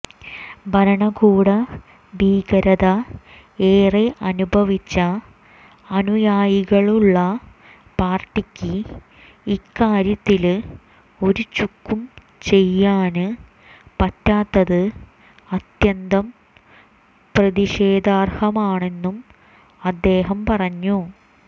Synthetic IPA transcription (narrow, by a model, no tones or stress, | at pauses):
bʱɐɾɐɳɐkuːɽɐ | biːɡɐɾɐðɐ | eːreʔɐnubʱɐʋit͡ɕːɐː | nujaːjiɣɐɭuɭːɐ | paːrʈːikʲːɨ | ikːaːɾjɐt̪ːil | o̞ɾut͡ɕukːum | t͡ɕe̞jːaːnɨ | pɐtːaːt̪ːɐðɨ | ɐt̪jɐnd̪ɐm | prɐðiɕe̞ːd̪ʱaːrhɐmaːɳe̞nːum | ɐd̪ːe̞ːɦɐmpɐrɐɲːu